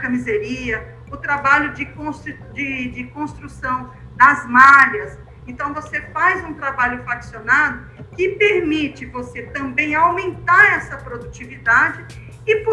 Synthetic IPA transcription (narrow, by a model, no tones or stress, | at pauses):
kɐmizeɾiɐ | ʊt̪ɾabaʎʊd͡ʒɪkõst̪ | d͡ʒɪd͡ʒɪkõst̪ɾusɐ̃w̃ | d̪ɐzmaʎɐs | ẽnt̪ɐ̃w̃vosefajzũt̪ɾabaʎʊfɾaksionad̪ʊ | kɪpeɾmit͡ʃɪvoset̪ɐ̃mbẽj̃awmẽnt̪aɾɛsɐpɾod̪ut͡ʃivid̪ad͡ʒɪ | ɪp